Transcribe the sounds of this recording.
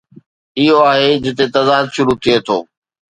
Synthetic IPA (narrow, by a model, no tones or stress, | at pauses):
ɪɦoaːɦed͡ʑɪt̪et̪ɐzaːd̪ʃʊɾut̪ʰiet̪ʰo̰ː